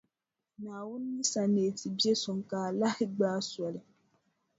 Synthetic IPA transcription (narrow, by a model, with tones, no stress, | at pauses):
naː˨wʊ˦nː˦i˦sa˨ne˨tʰi˨bi˦ɛ˦sʊ˨ŋ˨kaː˨la˦hɪ˦ɡ͡baː˦sɔ˨lɨ˨